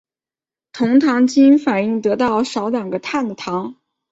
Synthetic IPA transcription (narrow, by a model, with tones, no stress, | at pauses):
t̪ʰʊ˧˥ŋt̪ʰɑ˧˥ŋt͡ɕi˥nfa˨˩ni˥˩ŋt̪ɤ˧˥t̪ɑ˥˩ʊʂɑ˧˥ʊljɑ˨˩ŋɡə˦t̪ʰa˥˩nd̪ə˩t̪ʰɑ˧˥ŋ